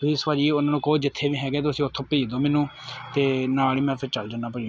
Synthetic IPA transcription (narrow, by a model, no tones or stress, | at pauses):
siːsʋad͡ʒiːʊnãːnũːkoːd͡ʒɪt̪ʰːeːʋiːɦɛːɡɛːt̪̬eʊsĩːʊt̪ʰːõːpiːd̪oːmɛːnũː | t̪eːnaːliːmɛ̃ːpʰɪɾt͡ʃəld͡ʒaːnaːpəi